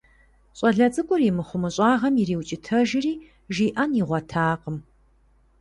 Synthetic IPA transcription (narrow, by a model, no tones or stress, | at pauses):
ɕʼɐɮɐt͡sʼɨkʷʼʊrjɪmɨχʷʊmɨɕʼaːʁɐmiriːwt͡ʃʼɪtʰɐʒɪriː | ʒiːʔɐniʁʷɔtʰaːqəm